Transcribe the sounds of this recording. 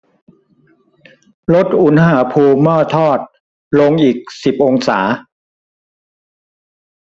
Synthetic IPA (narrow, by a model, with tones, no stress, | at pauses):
lo˦˥t̪̚ʔu˩˦nhaː˩˦pʰuː˧mɔː˥˩t̪ʰɔː˥˩t̪̚ | lo˧ŋʔiː˨˩k̚si˨˩p̚ʔo˧ŋsaː˩˦